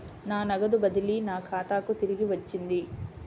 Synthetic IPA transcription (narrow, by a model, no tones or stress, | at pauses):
naːnɐɡɐd̪ubɐd̪ilinaːkʰaːt̪aːkut̪iɾiɡiʋɐt͡ʃːind̪i